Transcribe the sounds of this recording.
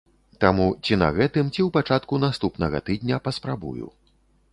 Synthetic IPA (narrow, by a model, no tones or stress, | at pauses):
t̪amut͡sʲinɐ̰ɣɛt̪ɨmt͡sʲiwpat͡ʂat̪kunast̪upnɐɣɐ̰t̪ɨd̪ʲnʲɐpɐspɾabṵjṵ